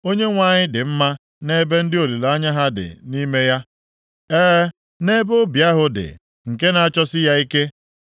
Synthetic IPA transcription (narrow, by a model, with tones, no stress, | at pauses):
o˦ɲe˦ŋʷa˨ɲɪ˦dɪ˨m̩˦ma˦ | ne˦be˦n̩˦dɪ˦o˨li˨la˦ɲa˦ɦa˦dɪ̰˨ni˦me˦ja˦ | eː˦ | ne˦bo˦bja˦ɦʊ˦dɪ̰˨ | ŋ̩˨ke˦na˨a˦t͡ʃɔ˦sɪ˦ja˦i˦ke˦